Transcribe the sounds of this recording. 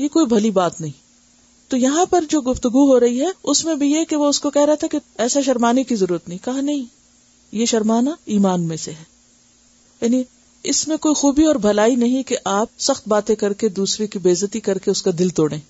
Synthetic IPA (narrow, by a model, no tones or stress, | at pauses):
jekoːibʱɐlibaːt̪nɐɦĩ | t̪ojɐɦãpɐɾd͡ʒoːɡʊft̪ʊɡuɦoɾɐɦiɦɛʊsmẽbʱijekeʋoʊskokɛɦɾɐɦat̪ʰakeɛːsaʃ̬ɐɾmaːnekizɐɾuːɾət̪nɐɦĩkɐɦãnɐɦĩ | jeʃɐɾmaːnaiːmaːnmẽseɦɛː | jaːni | ɪsmẽkoːixuːbiɔːɾbʱɐlaːinɐɦĩkeʔaːp̚sɐxt̪̚baːt̪ẽkɐɾked̪uːsɾekibeːzət̪ikɐɾkeʊskad̪ɪlt̪oːɽẽː